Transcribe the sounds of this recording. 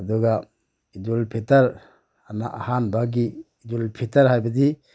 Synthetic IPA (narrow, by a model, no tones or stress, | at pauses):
ad̪ɔɡa | id͡ʒulpʰetaɾ | anaʔahanbaɡiː | d͡ʒulpʰetaɾɦajbadi